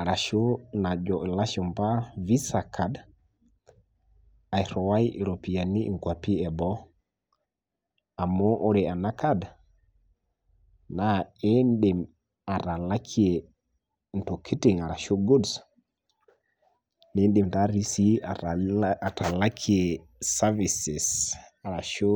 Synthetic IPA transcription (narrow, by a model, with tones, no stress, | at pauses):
a˨ɾa˨ʃo˦na˨d͡ʒɔ˨i˨la˦ʃɔ˨mpa˦vi˦sa˨kʰa˨d | a˨jɾɔ˨wa˦ji˨ɾo˨pi˨a˨ni˦ḭ˨ŋkʷwa˨pi˦ɛ˨bɔ˦ | a˨mo˦ʔo˦ɾe˨a˨na˦kʰa˦d | na˨e˦nɗɪ˨m | a˨ɾa˨la˦kʰi˦e˨ | n̩˨to˨kʰi˦ti˨ŋa˨ɾa˨ʃo˦ɡo˦ds | nɪ˦nɗɪ˨m˨ta˦ɾi˦si˦a˨a˨ta˨la˦kʰi˦e˨ | sa˦vi˨sɪ˨sa˨ɾa˨ʃo˦